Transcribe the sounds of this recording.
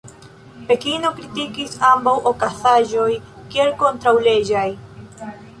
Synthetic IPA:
pe̞kino̞kɾitikisambawʔokasaʒo̞jkie̞lko̞ntɾawle̞d͡ʒaj

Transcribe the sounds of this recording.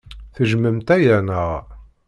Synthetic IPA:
θəʒməmt̪æjænəʁ

